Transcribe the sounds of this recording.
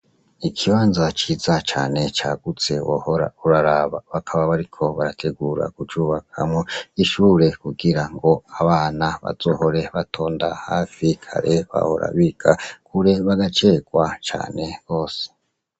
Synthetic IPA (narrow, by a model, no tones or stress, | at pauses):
ikʰiβaːnzat͡ʃizat͡ʃaːne̞t͡ʃaɡ̥ut͡se̞wo̰hoɾa̰uɾaɾaβaβakʰaβaβaɾikʰo̞βaɾatʰe̞ɡuːɾa̰kut͡ʃuːβakʰamŋoiʃuːɾe̞kuɡiɾaŋɡo̞aβaːnaβa̰zoːho̞ɾe̞βatʰo̞ːndahaːfikʰa̰ɾe̞βa̰ho̞̰ɾa̰βikʰakuɾe̞βaɡat͡ʃe̞ːɡwat͡ʃa̰ːne̞ɡ̥o̞ːse̥